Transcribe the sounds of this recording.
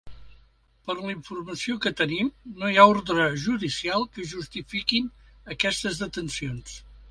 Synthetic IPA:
pəɾliɱfurməsiokət̪ənimnojaoɾðɾəʒuðisialˠkəʒust̪ifikin | əkɛst̪əzðət̪ənsions

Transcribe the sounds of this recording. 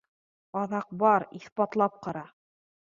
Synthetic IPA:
ɑðɑq̚bɑɾiθpɑt̪lˠɑp̚qɑɾɑ

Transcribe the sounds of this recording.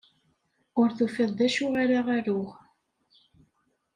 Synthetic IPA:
ʊɾθufɪðˤd̪æʃuʁaɾaʁaɾʊʁ

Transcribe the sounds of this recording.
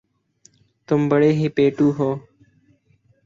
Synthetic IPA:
t̪ʊmbəɽeːɦiːpeːʈuːɦoː

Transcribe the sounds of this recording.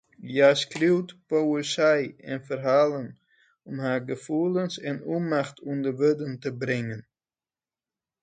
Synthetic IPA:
jaskriwtpowəsɛjɛnfərɦaːlən | ɔmɦaːɹɡəfuːlənsɛnumaχtʰundəʋødəntəbɾɪŋən

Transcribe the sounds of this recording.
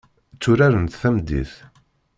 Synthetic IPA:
t͡sːʊɾaɾənt̪θæmd̪ḭθ

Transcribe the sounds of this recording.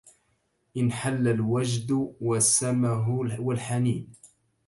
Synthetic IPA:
ʔɪnħalːalwad͡ʒd̪wasːamaɦʊwalħaniːn

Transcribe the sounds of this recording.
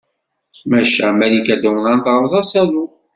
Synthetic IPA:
mæʃæmælikæd̪æwənant̪əɾˤzˤɑsæðu

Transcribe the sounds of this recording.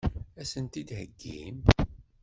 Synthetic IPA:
æsənt̪id̪hə̰ɡːim

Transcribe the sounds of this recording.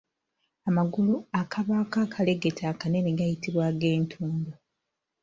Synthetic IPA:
amaɡuluakʰaβaːkakʰale̞ɡetʰaːkane̞niɡajitiβwaːɡe̞ːntʰuːndo

